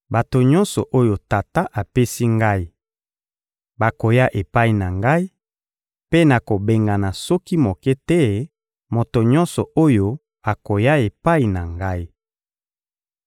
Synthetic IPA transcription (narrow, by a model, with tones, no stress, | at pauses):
ba˨to˨ɲɔ˦nsɔ̰˨ʔo˦jo˨ta˨ta˦ʔa˨pe˦si˦ŋɡa˦i˦ | ba˨ko˨ja˦ʔe˨pa˦i˨na˨ŋɡa˦i˦ | pe˦na˨ko˨be˨ŋɡa˨na˨sɔ˦ki˦mo˨kɛ˦tɛ˦ | mo˨to˨ɲɔ̃˦nsɔ˨o˦jo˦ | a˨ko˨ja˦e˨pa˦i˨na˨ŋɡa˦i˦